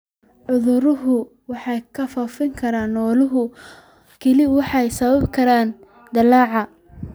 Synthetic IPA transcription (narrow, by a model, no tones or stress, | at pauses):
ʕʊðʊɾʊɦʊ | wɑħɑjkʰɐfɐfɪŋkʰɐɾaːnːɔːlʊɦʊ | kʰɛlɪwɑħɑjsɐβɐbkʰɐɾaːn | d̪ɐlaːʕɑ